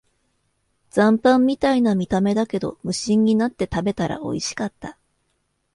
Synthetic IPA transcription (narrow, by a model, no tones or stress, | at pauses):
d͡zãmpãmːʲit̪ainamʲit̪ame̞d̪ake̞d̪o̞̰mɯ̟ɕĩɲ̟ːinat̪ːe̞t̪abe̞t̪aɾa̰ʔo̞̰iɕi̥kat̪ːa